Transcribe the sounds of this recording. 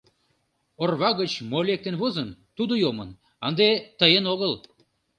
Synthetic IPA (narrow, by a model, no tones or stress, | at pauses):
orβɑɣət͡ɕmolʲek̚t̪enβozənt̪ud̪ojomən | ənd̪et̪əjenoɣəl